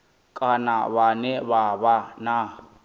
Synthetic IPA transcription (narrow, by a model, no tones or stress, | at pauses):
kʼanaβanɛβaβana